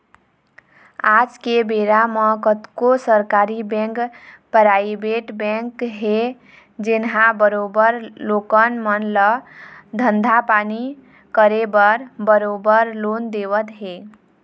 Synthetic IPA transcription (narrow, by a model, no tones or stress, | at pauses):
ad͡ʒkebeɾaməkət̪kosəɾkaɾibɛ̃ŋkpɾaibeʈbɛ̃ŋkɦe | d͡ʒenɦãbəɾobəɾlokənmənləd̪ʱənd̪ʱapani | kəɾebəɾbəɾobəɾlond̪eβət̪ɦe